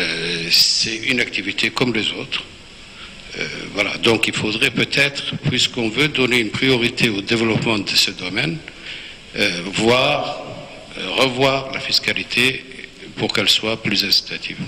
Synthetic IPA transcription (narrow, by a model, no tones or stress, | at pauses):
øsɛynak̚t̪ivit̪ʰekɔmlezot̪χ | ø̰vwala̰d̪ɔ̃kilfod̪ʁɛpøt̪ʰɛt̪χpɥiskɔ̃vød̪ɔneynpχijɔʁit̪ʰeod̪evəlɔpmɑ̃d̪əsəd̪ɔmɛn | vwaʁ | ʁəvwaːʁla̰fiskalit̪ʰepuʁkɛlswaplyzɛ̃si̥t̪at̪ʰiv